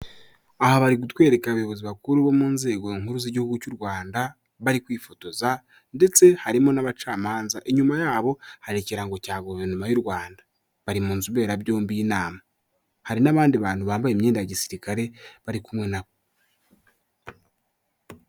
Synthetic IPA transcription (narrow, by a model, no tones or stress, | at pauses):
ahaβaɾik̬utwe̞ːɾe̞kaβajoβo̞ziβakuɾuβo̞muːnze̞ːɡo̞iŋhuɾuziɟihuɡucuɾɡwaːnda | βaɾikwiːfoto̞za | nde̞t͡se̞haɾimo̞naβat͡ʃaːmaːnzaʔiɲumajaːβo̞haɾiciɾaŋɡo̞caːɡoβenumajuɾɡwaːnda | βaɾimuːnzuβe̞ːɾabjo̞ːmbiːnaːma | haɾinaβaːndiβaːn̥huβaːmbajemɲeːndajaɟisiɾikaɾe̞βaɾikumŋe̞naβo